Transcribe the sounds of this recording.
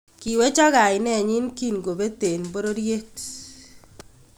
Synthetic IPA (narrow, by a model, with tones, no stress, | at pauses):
ki˨we˦t͡ʃɔ˦ɣa˨ɪ˨nɛ˦˨ɲi˦nki˦˨nɡo˨be˦t̪e˨nbo˦ɾo˦ɾje˦k